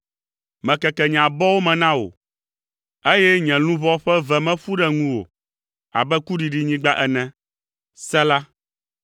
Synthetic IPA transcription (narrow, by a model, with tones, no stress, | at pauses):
mɛ̃˨kɛ˨kɛ˨ɲ˨ã˨bɔ˦wo˦mɛ̃˨nã˦wo̰˨ | e˦jɛ˦ɲɛ̃˨lũ˦vɔ˦ɸɛ˦vɛ˨mɛ̃˦ɸu˦ɖɛ˦ŋũ˦wo̰˨ | a̰˨bɛ˦ku˦ɖi˨ɖi˦˨ɲĩ˦ɡ͡ba˦ʔɛ˨nɛ̃˦ | sɛ˦la˦